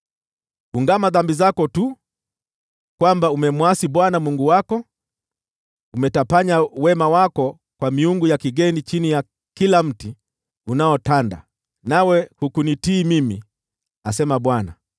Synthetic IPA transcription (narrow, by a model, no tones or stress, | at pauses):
uŋɡamaðambizakɔtu | kwambaumɛmwasiɓwanamuŋɡuwakɔ | umɛtapaɲawɛmawakɔ | kwamiuŋɡujakiɡɛnit͡ʃinija | kilam̩ti | unaɔtanda̰ | nawɛhukunitiːmimi | asɛmaɓwana̰